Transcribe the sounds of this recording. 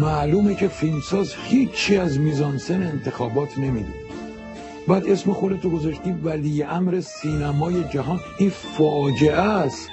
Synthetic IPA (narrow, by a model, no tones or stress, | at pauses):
mæluːmecʰe̞filmsɒːzhiːt͡ʃʰːiæzmiːzɒːnseneːnt̪ʰe̞xɒːbɒːt̪ʰnemiːd̪ḭ | bæːd̪e̞sme̞xo̞d̪et̪oɡo̞zɒʃt̪iːvæliːjeʔæmɾe̞siːnæmɒːje̞d͡ʒæɦɒːn | iːnfɒːd͡ʒe̞ʔæst̪